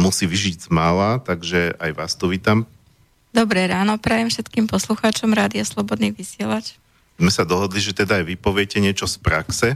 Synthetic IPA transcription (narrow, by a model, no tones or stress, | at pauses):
musiːʋiʒiɟzmalaːt̪aɡʒɛajʋaːst̪ɔʋiːt̪am | d̪ɔbɾɛɾaːnɔpɾajɛmfʃɛt̪kiːmpɔsluxaːt͡ʃɔmɾaːd̪iaslɔbɔd̪niʋisɪɛlac | zmɛsad̪ɔɦɔd̪liʒɛt̪ɛd̪aːjʋipɔʋɪɛcɛɲɪɛt͡ʃɔspɾaksɛ